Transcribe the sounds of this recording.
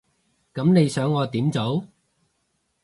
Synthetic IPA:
kɐ˨˥mne˨˧jsœː˨˥ŋːɔː˨˧t̪iː˨˥mt͡so˨˥w

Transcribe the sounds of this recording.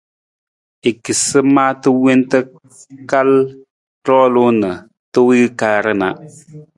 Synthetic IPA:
e˨ki˨sɨ˦maː˦tɨ˦we˦ntə˦ | ka˦l | tɔ˦lu˦nə˨ | tɨ˦wi˦kaː˦ɾə˦na˨ʔ

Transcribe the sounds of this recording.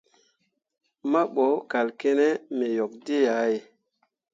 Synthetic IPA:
ma˦ɓɔ˨˦wka˨lke˦nɛ˦me˨jo˨k̚de˦ja˨˦e˨

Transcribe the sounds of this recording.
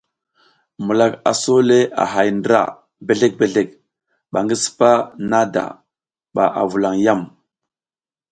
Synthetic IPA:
mu˨la˨ka̰˨so˦le˦a̰˨ɦa˨jndɾa̰˨ | be˨ɮe˦k̚be˨ɮe˦˨k̚ | ɓa˨ŋɡi˦si̥˦pa˦na˦da̰˨ | ɓa˨ʔa̰˨vu˨la˨ŋja˦˨m

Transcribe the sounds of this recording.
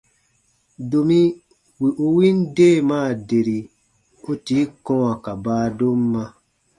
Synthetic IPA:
do˨mĩ˦ | wi˨ʔu˧wĩ˦n˦deː˦˨maː˦˨de˨ɾi˨ | o˦ti˨˦kɔ̃˦a˨ka˨baː˦do˦m˦mã˧

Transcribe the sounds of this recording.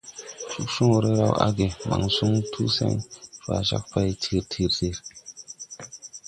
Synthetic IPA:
su˦ksu˦ŋo˨ɾe˦ɾa˦˨wa˦ɡe˨ma˨ŋsu˦ŋtʰu˦sḛ˦ŋfa˨ʃa˦k̚pa˦jtʰi˦˨ɾtʰi˨ɾti˦˨ɾ

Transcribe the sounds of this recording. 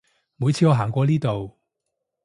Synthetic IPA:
muː˨˧jt͡sʰiː˧ŋɔː˨˧ɦaː˨˩ŋkʷɔː˧liː˥t̪o˨w

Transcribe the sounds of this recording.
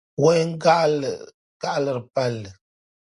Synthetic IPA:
wɔ˦ɲ˦ŋ˦a˦˨ | ɡ̥a˦ʔlɨ˨ɾɨ˨pa˦lːɨ˨

